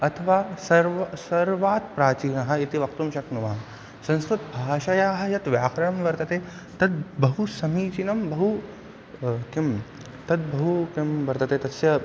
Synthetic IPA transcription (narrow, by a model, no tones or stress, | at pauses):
ɐt̪ʰɐʋaːsɐɾʋɐsɐɾʋaːt̪̚pɾaːt͡ʃiːnɐɦɐ̆it̪iʋɐkt̪umʃɐknuʋɐɦɐ | sɐ̃nskɾut̪bʱaːʃɐjaːɦɐ̆jɐt̪ʋjaːkɾɐjɐmʋɐɾt̪ɐt̪eː | t̪ɐt̪̚bɐɦusɐmiːt͡ʃinɐmbɐɦu | kim | t̪ɐt̪̚bɐɦukemʋɐɾt̪ɐt̪eːt̪ɐsjɐ